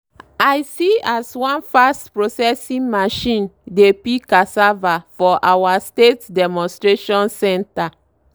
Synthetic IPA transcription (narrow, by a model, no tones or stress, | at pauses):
ajsiaswɔ̃nfastpɹosɛsĩŋmaʃĩndepikasavafɔʔawastetdɛmɔ̃nstɹeʃɔ̃nsɛ̃nta